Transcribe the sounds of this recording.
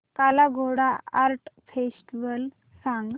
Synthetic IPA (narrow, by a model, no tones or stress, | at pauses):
kalaɡʱoɽaaɾʈfesʈiʋəl | saŋɡ